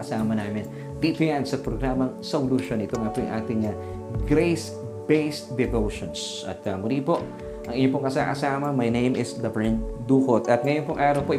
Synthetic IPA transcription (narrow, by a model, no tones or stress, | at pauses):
ɐsaːmɐnaːmɪn | d̪it̪ʊjansɐpɾoɡɾaːmɐŋsowlʊʃo̞nʔɪt̪oŋɐpojʊ̰ŋʔa̰ːt̪ɪŋɐ | ɡɾejs | b̥ejsd̪ɛvowʃons | ʔɐ̰t̪̚ɐmʊɾipo̞ʔ | ʔɐŋɪɲop̬oŋkɐsa̰kɐ̰saːmɐmɐjnejmɪsd̪ɐbɛnd̪uːkot̪ɐt̪̚ŋɐjonpoŋʔaːɾɐwpoʔɪ